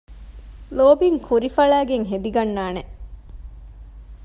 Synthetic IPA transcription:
loːbiŋkʰuɾifɐɭæːɡeŋɦed̪iɡɐnːaːne

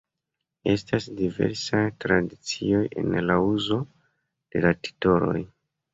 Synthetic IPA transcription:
e̞stasdive̞̰ɾsajtɾadit͡sio̞je̞̰nlauzo̞ | d̥e̞lati̥to̞lo̞̰j

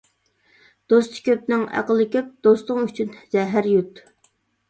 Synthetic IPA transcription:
d̪̥ost̪kʲøp̚nɪŋæ̰qəlˠɨkʲʰøp̚d̪̥ost̪ʊŋyt͡ʃʰynzɛɦæɾjut̪

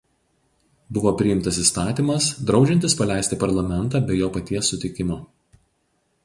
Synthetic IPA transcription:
bʊʋoːpʲɾʲɪjɪmt̪ɐsiˑst̪ɑːt̪ʲiːˑmɐsd̪ɾɒʊd͡ʒʲɛnʲt̪ʲɪspɐlʲæˑɪsʲt̪ʲɪpɐɾlˠɐmʲɛnt̪ɑːbʲɛɪjoːpɐt̪ʲiɛsːʊt̪ʲɪkʲɪmoː

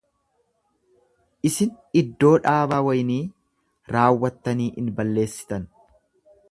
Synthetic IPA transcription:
ʔɪsɪn | ɪd̪ːo̞ːᶑaːbaːwɐjniː | ɾaːwːɐt̪ːɐniːʔɪnbɐlːe̞ːsːɪ̥t̪ɐn

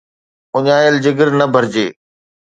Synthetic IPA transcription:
ʊɲaːjəld͡ʑɪɡəɾnəbʱəɾd͡ʑeː

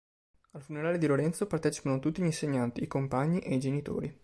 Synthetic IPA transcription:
alfuneɾaːled̪iloɾɛnt̪sopart̪ɛːt͡ʃi̥panot̪ut̪ːiʎinseɲːant̪iːkompaɲːiʔeid͡ʒenit̪o̰ːɾi

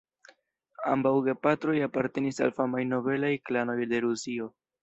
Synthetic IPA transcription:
a̰mbawɡe̞patɾo̞japaɾte̞nisa̰lfamajno̞ve̞lajklano̞jde̞ɾusio̞

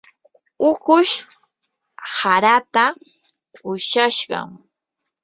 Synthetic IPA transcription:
ʊqʊʃ | haɾat̪a | ʊʃaʃɢɑ̰ŋ

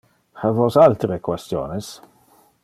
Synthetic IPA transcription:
havɔsalt̪ɾekwɛst̪jɔ̰ːnɛs

